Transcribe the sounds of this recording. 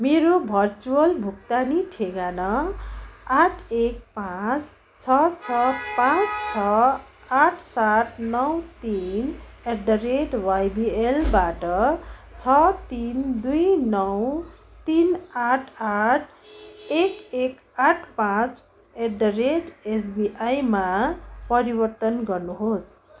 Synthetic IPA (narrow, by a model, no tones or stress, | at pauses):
meɾobʱʌrt͡suʌlbʱuk̚t̪aniʈʰeɡanʌ | aʈʰek̚pãt͡s | t͡sʰʌt͡sʰʌpãt͡st͡sʰʌ | aʈʰsaʈʰnʌwt̪in | eɾd̪ʌɾeɖwajbielbaʈʌt͡sʰʌt̪ind̪ujnʌwt̪inaʈʰaʈʰ | ekek | aʈʰpãt͡s | eɾd̪ʌɾeɖes̬biʔajmapʌɾibʌrt̪ʌnɡʌrnuɦos